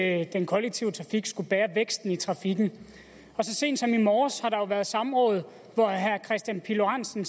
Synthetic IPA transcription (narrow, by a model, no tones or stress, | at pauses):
d̥enkʰɒ̽leɡ̥̚t͡sʰiʊət͡sʰʁɑ̈fiɡ̥sɡ̥ub̥æːɐʋeɡ̥sd̥n̩it͡sʰʁɑ̈fiɡ̥n̩ | ɒ̽sɒ̽se̝̰ːnd̥sɒ̽mimɒːshɑ̈ɾ̥ɑ̈joʊʋæːɐðˠsɑ̈mʁɔ̽ːð̞̩ˠ | ʋɒɦæɐkʰʁɛsd̥jænpʰiloʁɑn̰sn̩